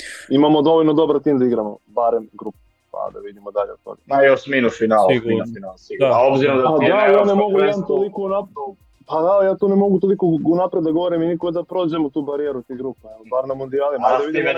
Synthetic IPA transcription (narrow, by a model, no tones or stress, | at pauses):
imamod̪o̞ʋolʲnod̪o̞baɾt̪iːmd̪aiɡɾamo̰baɾemɡɾupe | pa̰d̪a̰ʋid̪imod̪aʎeot̪o̰ɡa̰majoʃsminufinaːlinufinalaobziɾomd̪aad̪ajaːnemo̞ɡujɛd̪ant̪olˠikounapɾ | pad̪ajaːt̪onemo̞ɡut̪olˠikounapɾed̪d̪aɡo̞ʋoɾiminikoɡod̪apɾoːd͡ʑemot̪uːbaɾijeɾut̪iɡɾupabaːɾnamund̪iaːlimaajd̪aid̪im